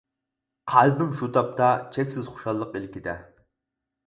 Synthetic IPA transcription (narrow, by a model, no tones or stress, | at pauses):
qʰælbɪmʃut̪ʰɑp̚t̪ʰɑt͡ʃʰɛkʲsɪz̥χʊ̥ʃɑlˠːəqelkʲid̪ɛ